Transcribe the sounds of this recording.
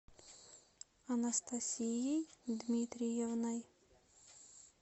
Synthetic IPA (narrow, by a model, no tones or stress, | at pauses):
ɐnɐst̪ɐsʲijijd̪mʲit̪ɾʲijɛvnaj